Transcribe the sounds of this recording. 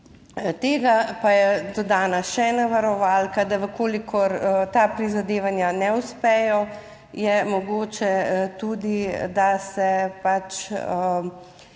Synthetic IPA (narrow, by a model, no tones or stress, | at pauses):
t̪eːɡapajɛd̪ɔd̪aːnaʃɛnaʋaɾɔʋaːlkad̪aʋəkoːlikʰɔɾt̪apɾizad̪eːʋanjanɛuspɛjɔ | jɛmɔɡoːt͡ʃɛt̪ud̪id̪asɛpat͡ʃ